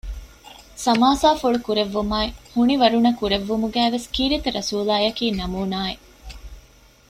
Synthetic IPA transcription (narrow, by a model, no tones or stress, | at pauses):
sɐmaːsaːfuɭukuɾeʋːumaːehuniʋɐɾunɐkuɾeʋːumuɡæːʋeskiːɾit̪ɐɾɐsuːlaːjɐkiːnɐmuːnaːe